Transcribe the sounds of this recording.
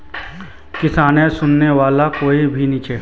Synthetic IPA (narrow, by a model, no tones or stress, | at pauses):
kɪsaːnẽsʊnːeʋaːlakoːibʱiniːt͡ʃeː